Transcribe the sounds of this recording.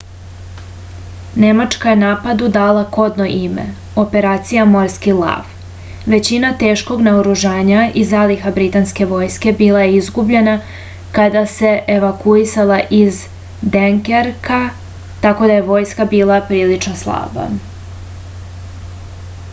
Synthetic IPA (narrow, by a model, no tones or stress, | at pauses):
ne̞mat͡ʂkajenaːpad̪ud̪aːlˠako̞d̪no̞ʔimḛ | o̞pe̞ɾaːt̪sijamo̞ɾskilˠa̰f | ʋe̞t͡ɕinat̪e̞ːʃko̞ɡnaoɾuʒaːɲaʔizalixabɾit̪anske̞ʋo̞ːjske̞biːlˠajeizɡubʎe̞na | kad̪ase̞ʔeʋakuisalˠaʔiz | d̪eŋkeɾka | t̪ako̞d̪aje̞ʋo̞ːjskabiːlˠapɾiːlit͡ʃno̞slˠa̰ːba̰